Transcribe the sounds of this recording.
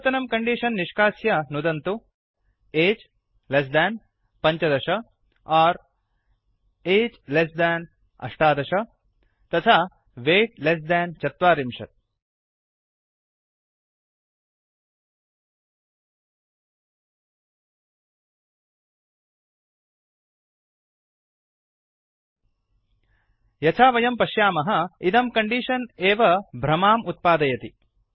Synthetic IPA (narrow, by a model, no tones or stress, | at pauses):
t̪ɐnɐmkɐɳɖiːʂɐnːiʂkaːsjɐnud̪ɐnt̪u | eːd͡ʒ | les̬d̪æːn | pɐɲt͡ʃɐd̪ɐʂɐ | aːɾ | eːd͡ʒlesd̪æːn | ɐ̰ʂʈaːd̪ɐʂɐ | t̪ɐt̪ʰaː | ʋeːʈles̬d̪æːnt͡ʃɐt̪ʋaːɾimʂɐ̰t̪̚ | jɐt͡ʃʰaːʋɐjɐmpɐʃjaːmɐɦɐid̪ɐmkɐɳɖiʂɐneːʋɐbʱɾɐmaːmut̪̚paːd̪ɐjɐt̪i